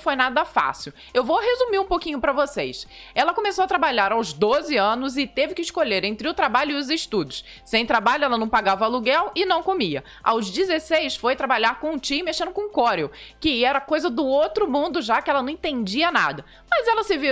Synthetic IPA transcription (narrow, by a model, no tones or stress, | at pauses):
fojnad̪ɐfa̰siw | ewvoɦezumiɾũpokĩɲʊpɾɐvosejsɛlɐkomesoɐt̪ɾabaʎaɾawzd̪ozɪɐ̃nʊzɪt̪evɪkɪɪʃkoʎeɾẽnt̪ɾɪʊt̪ɾabaʎʊɪʊzɪʃt̪ud̪ʊs | sẽj̃t̪ɾabaʎʊɛlɐnɐ̃w̃paɡavɐaluɡɛwɪnɐ̃w̃komiɐ̰ | a̰wzd͡ʒizesejsfojt̪ɾabaʎaɾkõũt͡ʃĩmeʃẽnd̪ʊkõũkɔɾeowkɪɛɾɐkojzɐd̪ʊowt̪ɾʊmũnd̪ʊʒakɪɛlɐnɐ̃w̃ẽt̪ẽnd͡ʒiɐna̰d̪ɐ | mɐzɛlɐsɪvi